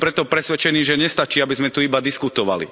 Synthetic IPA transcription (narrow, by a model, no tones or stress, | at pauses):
pɾɛt̪ɔpɾɛsʋɛt͡ʃɛniːʒɛɲɛst̪at͡ʃiːabizmɛt̪uibad̪iskut̪ɔʋa̰lḭ